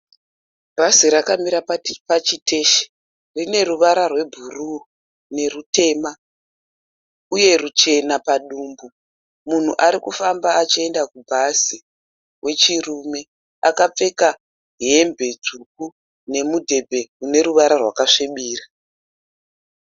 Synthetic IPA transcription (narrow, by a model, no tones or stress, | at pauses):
bʱaziɾakamiɾapat͡ʃitʰe̞ːʃe̥ | rine̞ruʋaɾarwe̞bʱuru | ne̞rute̞ma | uje̞rut͡ʃe̞napaɗuːmbu | mun̤ṵʔaɾikufambaːt͡ʃie̞ndakubʱasi | wʔe̞t͡ʃirume̞ | akap͡fe̞ka | ɦembʱe̞d͡zuk̚u | ne̞mudʱe̞bʱe̞kune̞ɾuʋaɾarwa̰kaʂeɓiːra